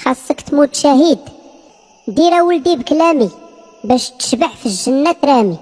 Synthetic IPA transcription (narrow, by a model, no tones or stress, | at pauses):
xɑsˤːəkt̪mʊt̪ʃæhid̪ | d̪iɾæwəlb̪ibklæmi | bæʃt̪ə̥ʃbəʕfiʒːənːæt̪ɾæmi